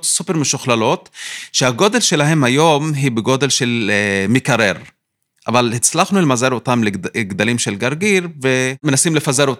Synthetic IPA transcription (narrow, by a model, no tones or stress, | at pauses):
tsupe̞ɾmeʃuχlalo̞t̪ʃehaɡo̞d̪e̞lʃe̞laɦe̞mhajo̞mɦibeɡo̞d̪e̞lʃelmikaɾeʁ | ʔa̰valhit͡slaχnuelmazeɾot̪amleɡd̪alimʃelɡaʁɡiɾvemenasimlefazeɾot